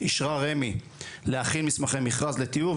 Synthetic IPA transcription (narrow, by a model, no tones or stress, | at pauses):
iʃʁaʁemi | leaχilmismaχemiχʁazlet̪iu